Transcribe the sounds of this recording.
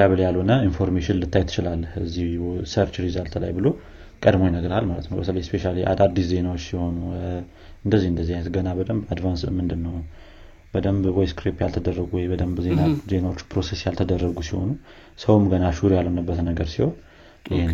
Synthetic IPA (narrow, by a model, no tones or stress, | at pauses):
aβɨljalho̞nəinfo̞ɾmeʃɪnlɨt̪ʰːajɛt̪ʰɨ̥t͡ʃɪlalːəhɨzːiwsəɾt͡ʃɾizalt̪ʰla̰jbɨlo̞ | kʼəd̪mojɛnəɡɾəalmalət̪nəwbət̪ələjɛspeʃaliʔa̰d̪ad̪iszenawot͡ʃːsɪho̞nu | ɨnd̪əzːihɨnd̪əzːihanət̪ɡənabəd̪əmbad̪vansmɨnd̪ɨnːəw | b̥əd̪əmbwɔjskɾipjalt̪ʰəd̪ərːəɡuwɔjbəd̪əmbzenaze̞nawot͡ʃːpɾo̞sesjalt̪ʰəd̪ərːəɡusiho̞̰nu | səwmɡənaʃuɾjalo̞nəbːət̪nəɡəɾsihon | ʔɪhe